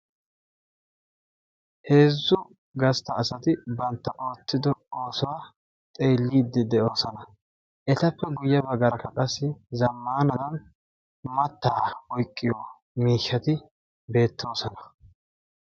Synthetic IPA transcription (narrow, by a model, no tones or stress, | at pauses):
he̞ːzːʊ | ɡɐst̪ɐːsɐt̪ɪbɐnt̪ːɐʔo̞ːt͡sːɪd̪ɔoːsɔwa | t̪ʼeːlːiːd̪ːɪd̪ɛʔo̞ːsɐnɐ | ʔɛt̪ɐpːɛɡʊjːɐbɐɡɐɾɐkːɐkʼɐsːɪzɐmːaːnɐd̪ɐn | mɐt̪ːaːwɔjkʼːɪjoː | miːʃːɐt̪ɪ | be̞ːt̪ʰːo̞ːsɔnɐ̥